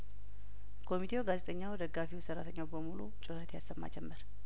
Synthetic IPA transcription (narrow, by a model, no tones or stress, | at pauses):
kʰo̞mit̪ʰe̞wɡazet̪ʼəɲːawd̪əɡːafiwsərːat̪ʰəɲːawbəmulut͡ʃʼʊhət̪jasːəmːa̰d͡ʒɛmːəɾ